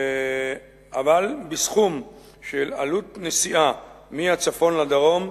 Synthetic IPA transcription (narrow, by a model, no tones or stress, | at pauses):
avalbisχum | ʃela̰lut̪nesiʔa | mihat͡safo̞nlad̪aʁo̞m